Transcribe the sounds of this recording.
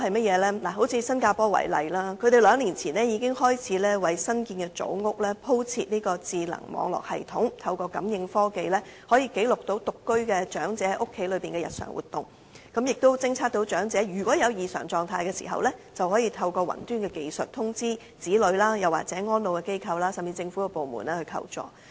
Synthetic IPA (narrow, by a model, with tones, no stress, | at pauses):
ɦɐ˨jmɐ˥t̚jɛː˨˧lɛː˥naː˨˩ɦo˨˥wt͡sʰiː˧sɐ˥nkaː˧pɔː˥wɐ̰˨˩jlɐ̰˨jlaː˥kʰɵ˨˧ɾe˨˩jlœː˨˧˥ŋliː˨˩nt͡sʰiː˨˩nlɛː˥jiː˧kɪ˥ŋhɔː˥jt͡sʰiː˨˥lɛː˥wɐ˨jsɐ˥nkiː˧nɡɛ˧t͡so̰˨˥wŋʊ˥k̚lɛː˥pʰo˥wt͡sʰiː˧t̚niː˥kɔː˧t͡siː˨lɐ̰˨˩ŋmɔ̰ː˨˧ŋlɔ̰ː˨k̚hɐ̰˨jt̪ʰʊ˨˥ŋt̪ʰɐ˧wkɔː˧kɐ̰˨˥mjɪ˧ŋfɔː˥ke˨jlɛː˥hɔː˨˥jiː˧ke˨˥jlʊ˨k̚t̪o˨˥wt̪ʊ˨kːɵ˥ɥkɛː˧t͡ʃœː˨˥ŋt͡sɛ˨˥˨jʔʊ˥kʰːe˨˥jlɵ˨˧ɥpiː˨ŋkɛː˧jɐ̰˨t̚sœ̰ː˨˩ŋwṵ˨˩t̪ʊ˨ŋ | kɐ˨˥mjɪ˨k̚t̪o˥wt͡sɪ˥ŋt͡sʰaː˥t̚t̪o˨˥wt͡ʃœː˨˥ŋt͡sɛː˨˥jyː˨˩kʷɔː˨˥jɐ˨˧wjiː˨˧sœ̰ː˨˩ŋt͡sɔː˨ŋt̪ʰaː˧jkɛ˧sḭː˨˩ɦɐ̰˨wlɛ˥t͡sɐ˨whɔː˨˥jiː˧t̪ʰɐ˧wkɔː˧wɐ̰˨˩nt̪yː˥nkɛː˧ke˨jsɵ˨t̚t̪ʰʊ˥ŋt͡siː˥ | t͡siː˨˥lɵ˨˧˥ɥlaː˥jɐ˨wa̰ː˨˩t͡sɛː˨˥ŋɔː˥nlo˨wkɛ˧ke˥jkʰɐ˨˧wlaː˥sɐ˨mt͡siː˨˧t͡sɪ˧ŋfu˨˥ɛ˧po˨wmṵ˨˩nlɛː˥hɵ˧kʰɐ̰˧wt͡sɔ̰ː˨˩